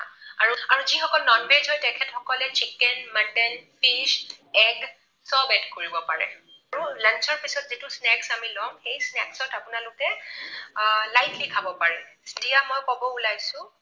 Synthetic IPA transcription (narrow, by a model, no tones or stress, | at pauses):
ã̰aɹuaɹuzixɔkɔlnɔnbezɔjtɛkʰɛtxɔkɔlɛt͡ʃikɛnməndɛnpiʃɛɡ | sɔbɛtkoɹibɔpaɹɛ̰ | aɹulant͡ʃɔɹpisɔtzitusnɛksamilɔmxejsnɛksɔtapʊnalʊkɛ | lajtʰlikʰabɔpaɹɛsidijamɔjkɔbɔulajsʊ̃